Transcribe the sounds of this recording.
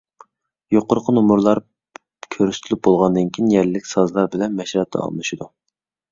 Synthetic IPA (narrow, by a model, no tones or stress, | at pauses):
joqʊɾqʰənumuɾlˠɑɾ | kʲʰøɾyst̪ʰɪlɪp̚bolˠʁɑnd̪ɨnkʲʰiinjɛɾlɪːɪkʲsɑzlˠɑɾbɪlɛnmɛʃɾɑt̪ʰːɑ̰ɑ̰lˠlˠuʃid̪u